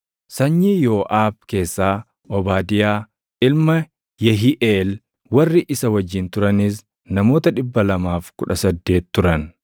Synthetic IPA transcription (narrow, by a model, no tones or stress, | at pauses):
sɐɲːiːjoːʔaːb̚ke̞ːsːaː | ʔɔbaːd̪ɪjaː | ʔɪlmɐ | jɛɦiʔeːl | wɐrːɪʔɪsɐwɐd͡ʒːɪnt̪ʊɾɐnɪs | nɐmo̞ːt̪ɐᶑɪbːɐlɐmaːfkʊᶑɐsɐd̪ːe̞ːt̪ːʊɾɐn